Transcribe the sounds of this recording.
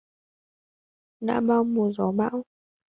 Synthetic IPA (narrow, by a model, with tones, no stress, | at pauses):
ɗa̰ː˧˥ɓaː˧˨wmu˨˩əzɔ˨˦ɓa̰ː˧˨w